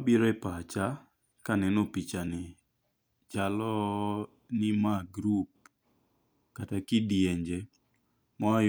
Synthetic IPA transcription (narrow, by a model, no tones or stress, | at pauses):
biɾɔɛpat͡ʃa | kanɛnopit͡ʃanɪ | t͡ʃalɔ | nɪmaɡɾup̚ | katakɪdjeɲd͡ʒe | mɔa